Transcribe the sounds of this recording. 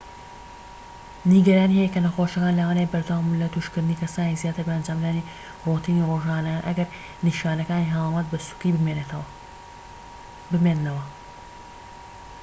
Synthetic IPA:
niɡɐɾaːnihɛjɛkɐnɐxoʃɐkaːnlɐwaːnejbɐɾd̪ɐwamunlɐt̪uʃkɨɾd̪ɨnikɐsaːnizjaːt̪ɨɾbɐɐnd͡ʒaːmd̪aːni | rot̪ʰiːniroʒaanɐkanʔɐɡɐɾ | niʃaːnɐkaːniɦalamɐt̪̚bɐsu̥kibɨmenet̪w | bɨmenːɐwɐ

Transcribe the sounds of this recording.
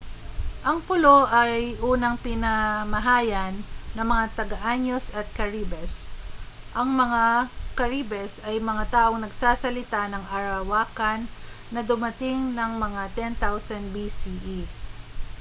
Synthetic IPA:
ʔɐŋpʊloʔɐjʔuːnɐŋpɪnɐmɐɦaːjɐnːɐŋmɐŋat̪ɐɡɐʔaɲo̞sɐt̪̚kɐɹiːbɛs | ʔɐŋmɐŋakɐɹibɛsɐjmɐŋat̪aːʔo̞ŋnɐɡsaːsɐlɪt̪anɐŋɐɾɐwaːkɐnː | ɐd̪ʊmɐt̪ɪŋnɐŋmɐŋat̪ɛnt̪awsɐnd̪bisiʔi

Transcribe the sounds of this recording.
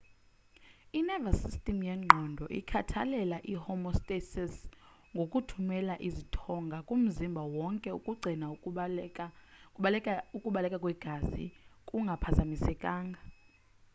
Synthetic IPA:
inɛvasistʼimjɛŋ͡ǃʱɔndʱɔʔḭkʰatʰa̰lɛlaʔihɔmɔstʼesɛs | ŋɡʱokʼutʰumɛlaʔizitʰɔŋɡʱakʼum̩zimbʱawɔŋkʼɛukʼuɡ͡ǀʱina | ukʼuɓalɛkʼakʼwɛɡ̥ʱazḭkʼuŋɡʱapʰazamisɛkʼaːŋɡʱa

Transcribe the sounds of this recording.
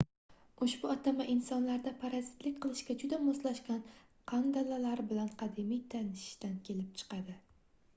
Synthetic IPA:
ʊʃbʊɒt̪ʰamaʔɪnsɒnlaɾd̪apʰaɾazɪt̪lɪk̚ʲqʰɨlˠɪʃkʲad͡ʒʊd̪amoslaʃkʲan | qʰɑnd̪alalaɾbɪlanqʰɑd̪ɪmijt̪ʰanɪʃʃt̪ankʲʰe̞lɪp̚t͡ʃʰɨ̥qɑd̪ɪ

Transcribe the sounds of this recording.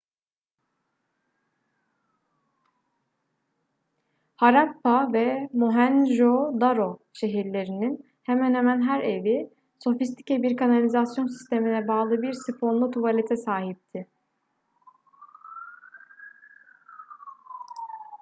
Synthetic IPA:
haɾapːavɛmuɦænʒod̪aɾo̞ʃe̞ɦiɾlʲe̞ɾinin | hemænhemænɦæɾe̞vi | so̞fist̪ʰi̥cɛbiɾkʰanalʲizasjo̞nsi̥st̪ʰe̞minɛbaːlˠɯbiɾsipʰo̞nlˠut̪ʰuvalʲet̪ʰɛsaːɦip̚t̪ʰɪ

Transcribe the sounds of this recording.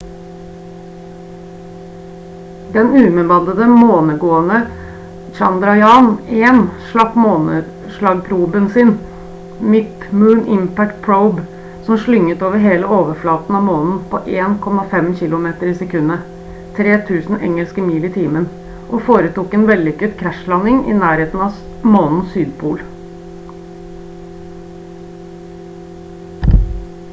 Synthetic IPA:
d̪ɛnʉːmɛbɑnd̪əd̪əmoːnəɡoːənə | t͡ʃɑnd̪ɾɑjɑːnɛnʂɭɑpmoːnə | ʂɭɑːɡpʰɾuːbənsɪn | mɪt̪ | mʉːnʔɪmpæk̚t̪̚pʰɹəʊb | sɔmʂɭʏŋːət̪oːʋəɾɦeːləoːʋəflɑːt̪n̩ɑʋmoːnn̩pʰɔʔeːnkʰɔmːɑfɛmçɪlʊmeːt̪əɾɪsɛkʰʉnːə | t̪ʰɾeːt̪ʰʉːsn̩ʔɛ̰ŋəlskəmiːlɪt̪ʰiːmən | ʔɔfoːɾət̪uːkɛːnʋɛlːʏkːəd̪kʰɾæʂlɑnːɪŋɪ̰næːɾheːt̪n̩ɑ | moːnn̩syːd̪pʰuːl

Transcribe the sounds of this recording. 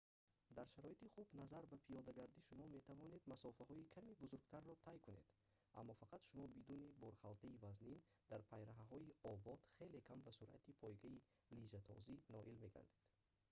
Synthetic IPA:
d̪aɾʃaɾɔit̪iχubnazaɾbapʰijɔd̪aɡaɾd̪iʃumɔme̞t̪ʰavɔne̞d̪masɔfahɔikʰamibuzuɾɡt̪ʰaɾːɔt̪ʰajkune̞d̪̥ | ʔa̰mːɔfaqʰat̪ʃumɔbid̪unibɔɾχalt̪ʰaivaznin | d̪̥aɾpʰajɾaɦaɦɔiɔbɔd̪̥χe̞le̞kʰambasuɾa̰t̪ipʰɔjɡai | lid͡ʒat̪ʰɔ̰zinɔʔilme̞ɡa̰ɾd̪ed̪̥

